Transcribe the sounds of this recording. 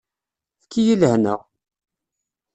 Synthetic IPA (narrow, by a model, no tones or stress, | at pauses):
θkʰːijiləhnə̰ʁ